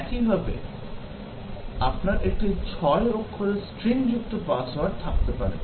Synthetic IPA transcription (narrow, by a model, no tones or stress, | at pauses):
kiɦabḛ | apnaɾek̚ʈit͡ɕʰɔeɾokʰːoɾesʈɾiŋd͡ʑuk̚ʈopaswaɾt̪ʰak̚t̪epa̰ɾḛ